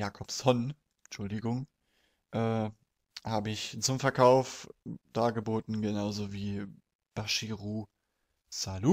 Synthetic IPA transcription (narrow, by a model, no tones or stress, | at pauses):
jaːkʰɔpshɔn | t͡ʃʊldɪɡʊŋ | ʔɛː | haːbəɪçt͡sʊmfɛɐkʰaʊfd̥aːɡəboːtn̩ɡənaʊzoviː | b̥aʃiʁuː | salu